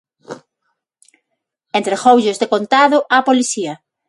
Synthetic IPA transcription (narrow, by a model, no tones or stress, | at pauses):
ent̪ɾexowʎozðekont̪aðʊʔapoliθiɐ